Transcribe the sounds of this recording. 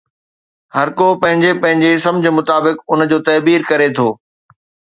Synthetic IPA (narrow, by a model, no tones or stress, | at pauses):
hɐɾkopɐ̃ɦɪ̃ɲd͡ʑepɐ̃ɦɪ̃ɲd͡ʑesɐ̃md͡ʑʱə̆mʊt̪aːbɪkʊnd͡ʑoːt̪ɐːbiːɾkɐɾet̪ʰoː